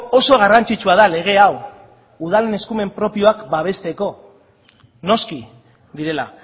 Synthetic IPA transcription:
o̞so̞ɣ̞arant͡sit͡ʃuaðale̞ɣ̞e̞aw | uð̞alene̞skume̞mpɾo̞pio̞akbaβ̞e̞st̪e̞ko̞ | no̞ski | ðiɾe̞la̰

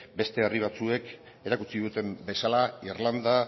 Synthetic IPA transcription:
be̞st̪e̞ariβ̞at͡sue̞k | e̞ɾakut͡siðut̪e̞mbe̞salairland̪a

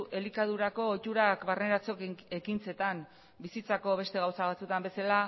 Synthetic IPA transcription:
e̞likað̞uɾako̞ːt̪uɾakβarne̞ɾat͡so̞ke̞kint͡se̞t̪an | bisit͡sako̞β̞e̞st̪e̞ɣawsaβat͡sut̪ambe̞sala

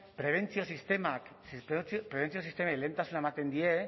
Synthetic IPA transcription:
pɾeβent͡sielsist̪emaksipɾet͡spɾeβent͡sielsist̪emaelent̪asunamat̪end̪ie

